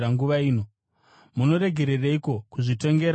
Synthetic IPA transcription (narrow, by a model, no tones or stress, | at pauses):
aŋɡuʋaiːno̞ | muno̞ɾe̞ɡʱe̞ɾeraiko̞kuʐito̞ŋɡe̞ɾ